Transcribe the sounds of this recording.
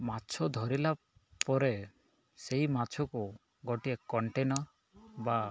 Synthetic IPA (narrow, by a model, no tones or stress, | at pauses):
mat͡ʃʰɔd̪ʱɔɾila | pɔɾe | seɦimat͡ʃʰɔku | ɡɔʈiekɔɳʈenɔɾ | ba